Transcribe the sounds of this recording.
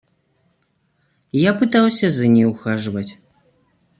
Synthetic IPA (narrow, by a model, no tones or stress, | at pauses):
japɨt̪awsʲɐzɐnʲɛwxaʐvɐt͡sʲ